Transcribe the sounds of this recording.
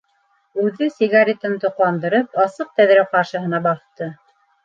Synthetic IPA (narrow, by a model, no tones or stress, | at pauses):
ʉðɘsʲɪɣaɾʲet̪ɤnt̪ŏqlˠɑnd̪ɤ̆ɾɤpɑsɤq̚t̪æðɾæwqɑɾʃɤ̆ɦɤ̆nɑbɑθt̪ɤ